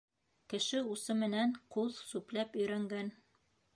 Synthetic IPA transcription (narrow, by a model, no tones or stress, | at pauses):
kɘ̆ʃɘusɤmɘ̆næɴquðsʉplæpɵ̆jɾæŋɡæn